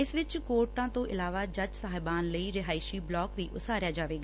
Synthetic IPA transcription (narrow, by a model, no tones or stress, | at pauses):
ɪsʋɪt͡ʃkoːɾʈãːt̪õːʔɪlaːʋaːd͡ʒəd͡ʒsaːɦɪbaːnləiːɾɪɦaːɪʃiːblɔːkʋiːʔʊsaːɾjaːd͡ʒaːʋeːɡaː